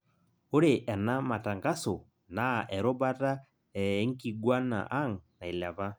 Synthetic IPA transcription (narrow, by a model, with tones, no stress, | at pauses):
o˦ɾe˨ʔɛ˨na˦ma˨ta˨ŋɡa˦so˨ | na˨ʔɛ˨ɾɔ˦ba˦ta˦ | ɛ˨˦ŋ̩˦ki˨ɡwa˦na̰˨ʔa˦ŋna˨i˨la˨βa˦